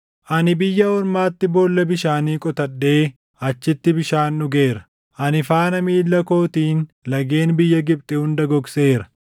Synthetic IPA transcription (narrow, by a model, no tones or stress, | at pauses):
ʔɐnɪbɪjːɐɔɾmaːt̪ːɪboːlːɐbɪʃaːniːkʼɔt̪ɐɗːe̞ː | ɐt͡ʃːɪt̪ːɪbɪʃaːnːʊɡe̞ːɾɐ̥ | ʔɐnɪfaːnɐmiːlːɐko̞ːt̪iːn | lɐɡe̞ːnbɪjːɐɡɪp̚t̪ʼɛhʊnd̪ɐɡɔkse̞ːɾɐ̥